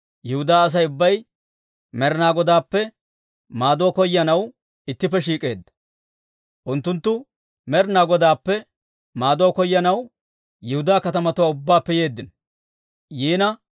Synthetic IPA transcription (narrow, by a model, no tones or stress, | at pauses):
jɪhʊd̪aːɐs̬ɐjʊbːɐj | mɛɾnaːɡɔd̪aːpːɛ | maːd̪oːkɔjːɐnɐw | ɪt̪ːɪpːɛʃiːkʼe̞ːd̪ːɐ̥ | ʔʊnt̪ːʊnt̪ːʊ | mɛɾnaːɡɔd̪aːpːɛ | maːd̪ɔːkɔjːɐnɐw | jɪhʊd̪aːkɐt̪ɐmɐt̪ʊwaʊbːaːpːɛje̞ːd̪ːɪn | jiːnɐ